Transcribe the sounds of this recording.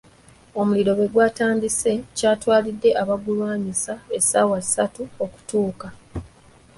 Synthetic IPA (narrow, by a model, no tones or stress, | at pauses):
o̞muliɾo̞βe̞ɡwaːtaːndise̞caːtwaːlidːe̞ʔaβaɡulwaːɲisae̞sa̰ːwasatuo̞ku̥tuːka